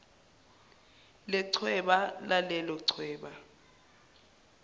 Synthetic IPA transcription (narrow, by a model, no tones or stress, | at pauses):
lɛǀʰwɛɓalalɛlɔǀʰwɛːɓa